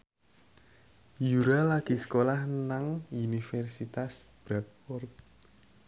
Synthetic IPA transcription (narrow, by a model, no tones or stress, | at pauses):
juɾalaɡ̥isə̥kolahnaŋunifɛrsit̪asb̥ɾat̪̚fɔrt̪̚